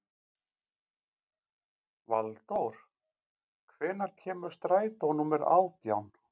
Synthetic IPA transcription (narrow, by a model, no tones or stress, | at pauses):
valt̪owɾ̥ | kʰvɛːnaɾ̥cʰɛːmʏ̥st̪ɾaːjt̪ownumɛɾa̰ːwt̪jawn